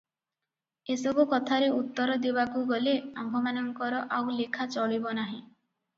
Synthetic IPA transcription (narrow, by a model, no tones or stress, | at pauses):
esɔbukɔt̪ʰaɾeut̪ːɔɾɔd̪ibakuɡɔleambʱɔmanɔŋkɔɾɔʔawlikʰat͡ʃɔɭibɔnaɦĩ